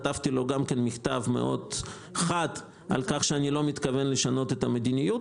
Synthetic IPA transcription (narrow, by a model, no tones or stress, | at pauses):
t̪avt̪ilo̞ɡamkenmiχt̪avme̞̰ʔo̞̰d̪ | χad̪ | ʔa̰lkaχʃeanilo̞mit̪kave̞nleʃano̞t̪et̪ame̞d̪inijut